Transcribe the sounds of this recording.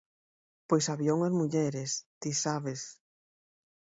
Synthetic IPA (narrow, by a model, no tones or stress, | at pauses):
pojsaβjoŋɐzmuʎɛɾest̪isaβes